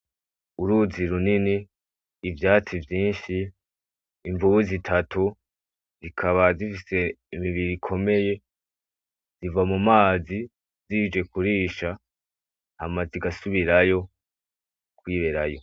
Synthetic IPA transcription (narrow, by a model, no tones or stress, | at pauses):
uɾuziɾuniniː | vjaːt͡sivjiːnʃiː | ɱvuβuzitʰatu | zikʰaβazifise̞imiβiɾikʰo̞me̞je̞ | zivamumaːzi | ziːd͡ʒe̞kuɾiːʃa | hamaziɡasuβiɾajo̞ | kwiːɾe̞ɾajo̞